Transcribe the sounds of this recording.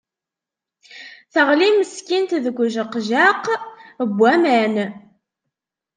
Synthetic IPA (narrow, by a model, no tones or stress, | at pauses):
θəʁliməskint̪ðəɡʷʒəqʒaqəbʷːæmæn